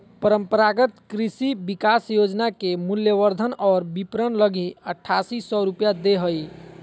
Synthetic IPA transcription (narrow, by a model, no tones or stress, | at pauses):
pəɾəmpəɾaɡət̪kɾisibikasjod͡ʒnakemuljəʋəɾd̪ʱənɔːɾbipɾənləɡʱiəʈʰːasisɔɾupjad̪eɦəj